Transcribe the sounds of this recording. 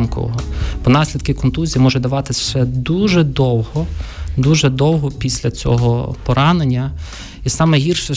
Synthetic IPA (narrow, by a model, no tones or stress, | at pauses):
mkɔ̰ɔ̰ɦɔb̥ɔnɑsʲlʲid̪̚kɪkɔnt̪uzʲijimɔʒɛd̪ɐʋɑt̪ɪsʲʃɛd̪uʒɛd̪ɔwɦɔd̪uʒɛd̪ɔwɦɔpʲisʲlʲɐt͡sʲɔ̰ɦɔpɔɾɑnenʲːɐ | isɑmɛɦʲirʃɛ